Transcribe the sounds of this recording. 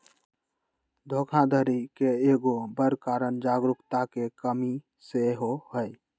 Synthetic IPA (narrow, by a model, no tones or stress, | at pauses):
d̪ʱoːkʰãd̪ʱəɾikeeːɡobəɾkaːɾənd͡ʒaːɡɾʊkt̪akekəmi | seɦohəj